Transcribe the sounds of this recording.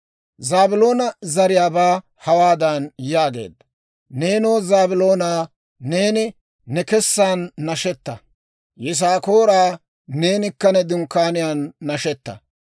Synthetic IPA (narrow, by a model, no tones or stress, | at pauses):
zaːbɪlo̞ːnɐzɐɾɪjaːbaː | hɐwaːd̪ɐnjaːɡe̞̰ːd̪ːɐ | ne̞ːnoːzaːbɪlo̞ːnaː | ne̞ːnɪ | nɛkɛsːaːnːɐʃɛt̪ːɐ | jɛs̬aːkoːɾaː | ne̞ːnɪkːɐnɛd̪ʊŋkːaːnɪjaːnːɐʃɛt̪ːɐ̰